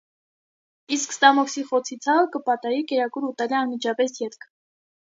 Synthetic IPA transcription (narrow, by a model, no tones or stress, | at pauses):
iskst̪ɑmɔksiχɔt͡sʰit͡sʰɑkəpɑt̪ɑjikɛɾɑkuɾut̪ɑliɑnmit͡ʃʰɑpɛsjɛt̪kʰ